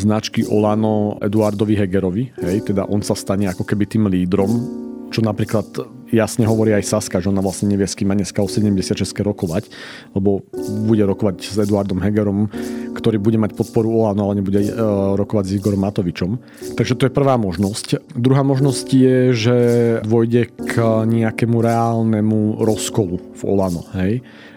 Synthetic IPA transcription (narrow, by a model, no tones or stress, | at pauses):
znat͡ʃkiʔɔ̰laːnɔɛ̰d̪uaɾd̪ɔʋiɦɛɡɛɾɔʋiɦɛjt̪ɛd̪a̰ʔɔnsast̪aɲɛakɔkɛbit̪iːmliːd̪ɾɔmt͡ʃɔnapɾiːklat̪ | jasɲɛɦɔʋɔɾiːajsaskaʒɛɔnaʋlasɲɛɲɛʋɪɛskiːmːaɲɛskaɔsɛɟɛmɟɛsɪat̪ʃɛskɛɾɔkɔʋac | lɛbɔbuɟɛɾɔkɔʋaɟzɛd̪uaɾd̪ɔmɦɛɡɛɾɔmkt̪ɔɾiːbuɟɛmacpɔt̪̚pɔɾuɔlaːnɔalɛɲɛbuɟɛɾɔkɔʋaɟziɡɔɾɔmːat̪ɔʋit͡ʃɔm | t̪aɡʒɛt̪ɔjɛpr̩ʋaːmɔʒnɔscd̪ɾuɦaːmɔʒnɔscjɛʒɛd̪ʋɔjɟɛkɲiakɛmuɾɛaːlnɛmuɾɔskɔlu | v̥ɔ̰laːnɔ̰ɦɛj